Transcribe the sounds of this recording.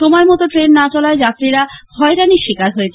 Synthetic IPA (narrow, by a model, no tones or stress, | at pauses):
ʃɔmɔemɔt̪oʈɾenːat͡ɕɔlaed͡ʑat̪ːɾiɾahɔeɾaniʃikaɾɦoet͡ɕʰ